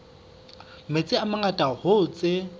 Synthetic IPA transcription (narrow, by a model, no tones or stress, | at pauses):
met͡sʼɪamaŋatʼahʊt͡sʼe